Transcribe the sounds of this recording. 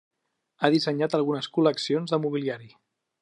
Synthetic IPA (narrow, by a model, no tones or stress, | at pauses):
aðisəɲat̪əlˠɣunəskuləksionzðəmuβiliaɾi